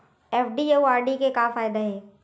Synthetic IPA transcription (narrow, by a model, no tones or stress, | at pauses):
eːfɖiewaːɾɖikekaːfaːɪd̪aɦeː